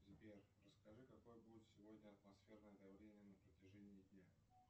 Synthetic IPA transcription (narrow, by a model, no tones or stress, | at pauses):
zʲbʲer | rəskɐʐɨkɐko̞jəbudʲɪt̪sʲɪvo̞dʲnʲəɐt̪mɐsfʲe̞rnəjəd̪ɐvlʲenʲɪjənəpɾətʲɪʐɛnʲɪːd̪ʲnʲa